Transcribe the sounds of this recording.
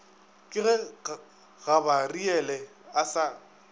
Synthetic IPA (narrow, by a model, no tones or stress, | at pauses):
kʼɪɣɛ | ɣabariɛlɛ | asa